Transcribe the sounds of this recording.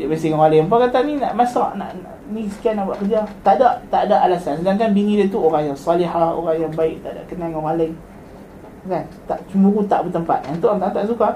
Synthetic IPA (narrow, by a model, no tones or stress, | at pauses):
ʔbənsiŋaŋalɪmpakat̪anina̰ʔmasaʔna̰ʔnaʔnisə̥kianaʔbaʔkəd͡ʒat̪adaʔt̪aʔdaʔalasansədaŋkanbiŋidat̪uoɾaŋjaŋsɑlihaho̰ɾaŋjaŋbaɪʔ̚t̪aʔda̰ʔkənaŋaŋalaŋ | kant̪aʔt͡ʃumuɾut̪aʔbət̪əmpa̰t̪̚nant̪uat̪ant̪aʔsuka